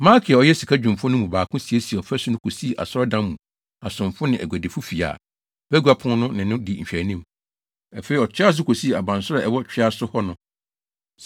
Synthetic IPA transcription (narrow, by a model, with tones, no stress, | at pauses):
mã˦kʰi˨a˨ɔ˨jɛ˦si˨kʰa˦d͡ʑᶣũ˨mfʊ̃˦nʊ̃˦mũ˨baː˨kʰʊ̃˦si˨e˦si˨ɛ˨ɔ˨fæ˦sʊ˦nʊ̃˦kʰo˨si˦˨ʔa̰˨sɔ˦ɾɔ˦dã˦mːũ˨ | a˨sʊ̃˨mfʊ˦nɪ̃˨ʔæ̰˨ɡʷæ˨de˨fʊ˦fi˨a̰ː˨ | b̥æ˦ɡu˦a˦pʰʊ̃˦n˦nʊ̃˦nɪ̃˨nʊ̃˦di˨ɲ̩˨ɕᶣæ˨nĩ˦m | a˨fe˨ɾi˨ɔ˨t͡ɕʰᶣɪ˦a˦s̬ʊ˦kʰo˨si˦˨a˨bã˨nsʊ˦ɾɛ˨ʔɛ˨wɔ˦t͡ɕᶣɪ˦a˦sʊ˦hɔ˦nʊ̃˦